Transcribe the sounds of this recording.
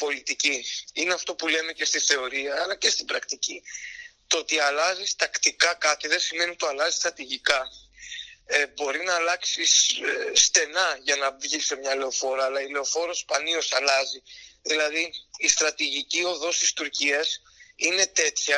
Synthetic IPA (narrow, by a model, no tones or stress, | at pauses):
po̞lit̪iciineɐft̪o̞pule̞me̞ce̞st̪iθe̞o̞ɾiɐːlɐce̞st̪ibɾɐkt̪icit̪oot̪iɐlɐzist̪ɐkt̪ikɐkɐt̪iðe̞sime̞nit̪oɐlɐzist̪ɾɐt̪iʝikɐ | ebo̞ɾinɐːlɐksisːt̪e̞nɐʝɐnɐvʝise̞mɲɐle̞o̞fo̞ɾɐːlɐile̞o̞fo̞ɾospɐnio̞sɐlɐziðilɐðiːst̪ɾɐt̪iʝicio̞ðo̞st̪ist̪uɾciɐs | ine̞t̪e̞t̪çɐ